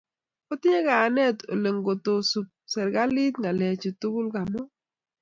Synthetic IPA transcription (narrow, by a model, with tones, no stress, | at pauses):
o˦tɪ˦ɲe˦kaː˨nɛ˦˨to̰˨le˨ŋɡo˨to˨su˨p̚sɛ˨ɾɡa˦li˦t̪̚ŋa˨lɛ˨t͡ʃo˨tu˦ɡʊ˦lɡa˨mɔ˦